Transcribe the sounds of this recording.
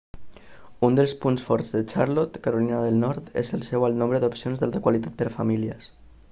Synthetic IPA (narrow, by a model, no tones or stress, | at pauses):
und̪əlˠspunsfɔɾz̥ðət͡ʃaɾlot̪kəɾulinəðəlˠnɔɾt̪ḛzəlˠsɛwəlˠnõmbɾəðupsionzðalˠt̪əkwalit̪at̪̚pəɾfamiliəs